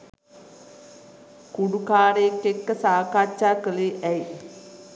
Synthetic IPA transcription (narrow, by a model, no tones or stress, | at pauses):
kuɖukaːɾeekːekːəsaːkat͡ʃaːkəleʔɛj